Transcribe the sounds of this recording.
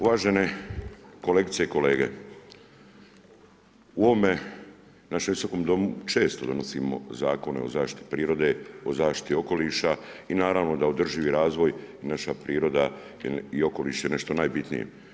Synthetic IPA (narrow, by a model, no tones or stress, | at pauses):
uʋaːʒene̞ | ko̞le̞ɡit̪se̞iko̞le̞ːɡe̞̰ | uoʋome̞ | naʃemʋiso̞ko̞ːmd̪o̞mut͡ʃe̞ːst̪o̞d̪o̞no̞simo̞̰zaːko̞neo̰zaːʃt̪i̥t̪i̥pɾiːɾo̞d̪e̞ozaːʃt̪i̥t̪io̞ko̞liʃa | inaːɾaʋno̞d̪aod̪r̩ʒiʋiɾaːzʋo̞jinaʃapɾiːɾo̞d̪a | io̞ko̞lḭʃjene̞ʃt̪o̞naːjbit̪nḭjḛ